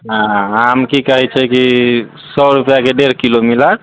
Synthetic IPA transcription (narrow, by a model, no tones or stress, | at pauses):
ɦãamkikəɦɛt͡ʃʰɛki | sɔɾupjakeɖeɾkilomilaɾ